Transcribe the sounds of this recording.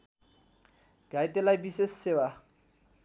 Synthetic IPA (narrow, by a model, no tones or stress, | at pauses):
ɡ̥aɪtʼɛlabisɪsɪwa